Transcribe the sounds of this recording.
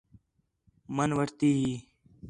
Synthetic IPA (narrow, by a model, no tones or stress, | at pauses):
mənʋəɾt̪iːɦiː